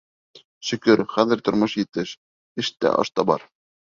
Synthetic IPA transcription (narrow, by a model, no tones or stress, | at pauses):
ʃɵ̆kɵɾχæðɘ̆ɾt̪ŏɾmoʃjɘ̆t̪ɘʃ | ɘʃt̪æ̰ʔɑ̰ʃt̪ɑbɑ̰ɾ